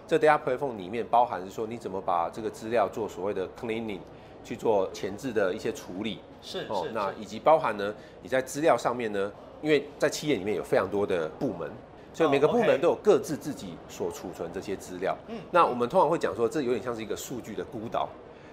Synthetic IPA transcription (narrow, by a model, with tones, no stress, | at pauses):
t͡sə˥˧˩t̪a˥pʰwe˥ɪfɔ˥˩ŋli˨˩mjɛ˥˩npɑ˥ʊxa˧˦nʂɻ̩˥˩ʂwɔ˥ni˨˥t͡sə˨˩mə˦pa̰˨˩ʈ͡ʂɤ˥˩ɡə˩t͡sɹ̩˥ljɑ˥˧ʊt͡swɔ˥˩swɔ˨˩we˥˩ɪd̪ə˩kʰli˥nḭ˨˩ŋ | t͡ɕʰy˥˧t͡swɔ˥˩t͡ɕʰjɛ˧˥nt͡sɻ̩˥˩d̪ə˩i˥˩ɕjɛ˦˥ʈ͡ʂʰu˧˥li˨˩˥ | xɔ˥˩na˥˨i˨˩t͡ɕi˧˥pɑ˥ʊxa˧˦˥nnə˧ | ni˨˩t͡sa˥˩ɪt͡sɹ̩˥ljɑ˥˧ʊʂɑ˥˧ŋmjɛ˥˨nnə˩ | i˥nwe˥˩ɪt͡sa˥˧ɪt͡ɕʰi˥˧ɛ˥˩ni˨mjɛ˥˩jo˨˩fʰɑ˧˥ŋt̪wɔ˥d̪ə˨pu˥˩mə̰˧˦n | swɔ˧˥i˨me˨˩ɡəpu˥˨mə˧˦nt̪o˥ʊjo˨˩ʊkɤ˥˧t͡sɹ̩˥˧t͡sɹ̩˥˩t͡ɕi˨˩swɔ˨˩ʈ͡ʂʰu˨˩t͡sʰwə˧˦nʈ͡ʂɤ˥˩ɕjɛ˥t͡sɹ̩˥ljɑ̰˥˩ʊna˥˨wɔ˨˩mə˦nt̪ʰʊ˥ŋʰɑ˧˥ŋwe˥˩t͡ɕjɑ˨˩ŋʂwɔ˥ʈ͡ʂɤ˥˩jo˧˥ʊjjɑ˥˧ʂɻ̩˥˧˥ɡə˧ʂu˥˧t͡ɕy˥˩d̪ə˨˩ku˥t̪ɑ̰˨˩˦ʊ